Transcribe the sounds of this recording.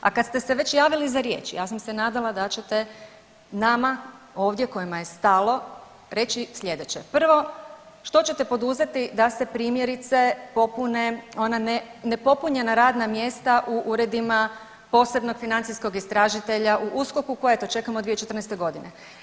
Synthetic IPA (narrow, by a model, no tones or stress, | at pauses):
akad̪st̪e̞se̞ʋe̞t͡ɕjaːʋilizaɾje̞ːt͡ʃijaːsamse̞naːd̪alˠad̪at͡ɕe̞t̪e | nama | o̞ːʋd̪je̞ko̞jimaje̞st̪alˠo̞ | ɾe̞t͡ɕislʎʲe̞d̪et͡ɕe̞pr̩ʋo̞ | ʃt̪o̞t͡ɕe̞t̪e̞po̞d̪uze̞t̪id̪ase̞pɾiːmje̞ɾit̪se̞po̞puneonanenepo̞puɲe̞naɾaːd̪namje̞st̪aʔuʔuɾe̞d̪ima | po̞ːse̞bno̞ɡ̥finant̪ijsko̞ɡist̪ɾaːʒit̪e̞ʎaʔuʔusko̞kuko̞jet̪o̞t͡ʃe̞kamod̪ʋijet͡ʃet̪rnest̪eɡo̞d̪ine